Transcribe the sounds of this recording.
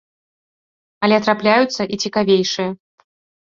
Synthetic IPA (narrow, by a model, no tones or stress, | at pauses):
ɐlʲɛɐt̪ɾaplʲajut̪sːɐʔit͡sʲikavʲejʂɨjɐ